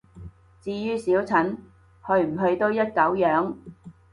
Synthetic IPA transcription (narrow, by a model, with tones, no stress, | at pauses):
t͡siː˧jyː˥siː˨˥wt͡sʰɐ˨˥n | hɵ˧ɥm̩˨˩ɦɵ˧ɥt̪o˥wjɐ˥t̚kɐ˨˥wjœː˨˥ŋ